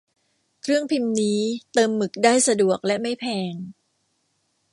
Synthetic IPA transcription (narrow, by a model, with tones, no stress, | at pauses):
kʰɾɯ˥˩əŋpʰi˧mniː˦˥t̪ɤː˧mːɯ˨˩k̚daː˥˩jsa˧du˨˩ək̚lɛ˦˥ma˥˩jpʰɛː˧ŋ